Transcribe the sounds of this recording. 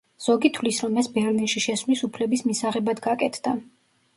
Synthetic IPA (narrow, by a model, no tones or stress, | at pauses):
z̥ɔɡit̪ʰwlisɾɔmːɛsbɛɾlinʃiʃɛslisupʰlɛbismisaʁɛbad̪ɡakʼɛt̪ʰd̪̥a